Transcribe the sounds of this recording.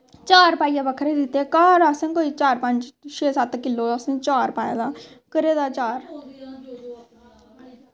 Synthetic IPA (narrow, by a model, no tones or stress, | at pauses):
t͡ʃaːɾpaːijãːbəkʰɾeːd̪ɪt̪ːeːkaːɾasẽːkoːiːt͡ʃaːɾpəɲd͡ʒʃeːsət̪kɪlːoːəsẽt͡ʃaːɾpaːjãːd̪aː | kəɾeːd̪aːt͡ʃaːɾ